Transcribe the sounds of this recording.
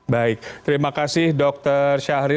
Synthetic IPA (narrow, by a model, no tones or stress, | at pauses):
baɪk̚tt̪əɾimakasɪhdɔk̚t̪ərʃaɾi